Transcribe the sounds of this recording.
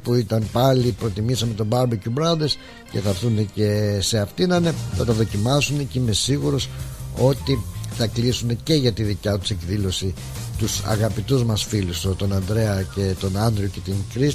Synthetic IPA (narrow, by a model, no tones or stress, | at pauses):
puit̪ɐnpɐlipɾo̞t̪imisɐmet̪o̞bɐɾbicubɾɐðes | ce̞θɐɾθunece̞se̞ɐft̪inɐne̞θɐt̪ɐðo̞cimɐsunecime̞siɣuɾo̞so̞t̪iθɐklisune̞ce̞ʝɐt̪iðicɐt̪u̥se̞kðilo̞si | t̪usɐ̰ɣɐpit̪uzmɐsfilust̪ot̪o̞nɐnd̪ɾe̞ɐce̞t̪o̞nɐnd̪ɾioce̞t̪iŋkɾis